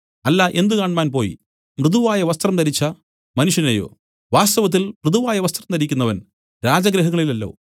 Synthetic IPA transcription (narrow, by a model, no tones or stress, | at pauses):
ɐlːaʔe̞nd̪ukaːɳmaːnpo̞ːjḭ | mrɨðuʋaːjɐʋɐst̪rɐmt̪ɐɾit͡ɕːɐ | mɐnuʂjɐnɐjo̞̰ː | ʋaːst̪ɐʋɐt̪̬ːilprɨðuʋaːjɐʋɐst̪rɐmt̪ɐɾikʲːunːɐʋɐn | ɾaːd͡ʑɐɡɾɐɦɐŋːɐɭilɐlːo̞̰ː